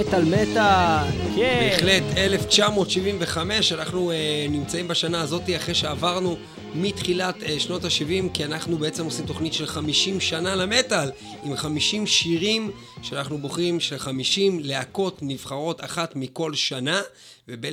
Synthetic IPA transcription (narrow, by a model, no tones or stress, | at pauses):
et̪almeta | ebeχle̞t̪ele̞ft͡ʃamo̞ːt̪ʃivimveχame̞ʃanaχnunimt͡saimbaʃanaːzo̞tiaχʁeʃeavaʁnu | mitχilat̪ʃno̞taʃivimkianaχnubee̞t͡se̞mosimt̪o̞χnitʃe̞lχamiʃimʃanaleme̞tal | imχamiʃimʃiʁim | ʃeanaχnuboχimʃelχamiʃimleako̞tniv̥χaʁo̞taχatmiko̞lʃana | vebe